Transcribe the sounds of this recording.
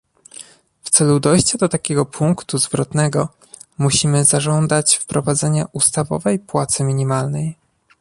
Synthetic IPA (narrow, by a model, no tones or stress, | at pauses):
ft̪sɛlud̪ɔjɕt͡ɕad̪ɔt̪akʲɛɡɔpʰuŋkt̪uzvɾɔt̪nɛɡɔ | muɕimɘzaʐɔnd̪at͡ɕfpɾɔvad̪zɛɲa̰ʔust̪avɔ̰vɛjpwat̪sɘmʲiɲimalnɛj